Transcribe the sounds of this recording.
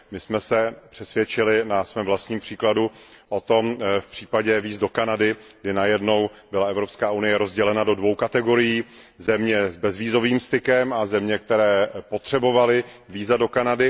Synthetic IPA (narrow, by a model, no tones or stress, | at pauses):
mɪsmɛsɛpr̥ɛsvjɛt͡ʃɪlɪnasmɛːmvlast̪ɲiːmpr̝̥iːkladuʔot̪o̞mfpr̝̥iːpaɟɛviːzdo̞kanadɪɡdɪnajɛdno̞wbɪlaʔɛvɾo̞pskaːʔunɪjɛɾo̞zɟɛlɛnado̞dvo̞wkat̪ɛɡo̞ɾɪjiː | zɛmɲɛzbɛzviːzo̞viːmst̪ɪkɛmazɛmɲɛk̚t̪ɛɾɛːpo̞t̪r̥ɛbo̞valɪviːzado̞kanadɪ